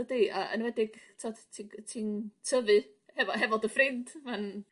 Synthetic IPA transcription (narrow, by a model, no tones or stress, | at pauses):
ədiʔaʔə̰nwɛdɪɡ̥tʰɔdtʰitʰintʰəvɨ | hɛvɔɦɛvɔdəfrɪnd̥van